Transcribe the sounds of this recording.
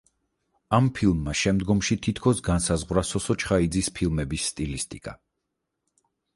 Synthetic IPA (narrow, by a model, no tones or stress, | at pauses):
ampʰilˠmːaʃɛmd̪ɡɔmʃit̪ʰit̪ʰkʰɔsɡansazʁwɾasɔsɔt͡ʃʰχaid̪zispʰilˠmɛbisːt̪ʼilist̪ʼikʼa